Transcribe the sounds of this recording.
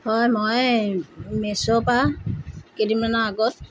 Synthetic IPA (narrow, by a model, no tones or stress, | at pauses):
hɔjmɔj | mesɔpa | kedimanaːɡɔt̚